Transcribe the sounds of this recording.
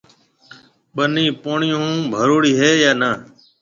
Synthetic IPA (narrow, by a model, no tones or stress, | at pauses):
ɓəniːpoːɳɪjũːbʱəɾoːɽiːɦeːjaːnəː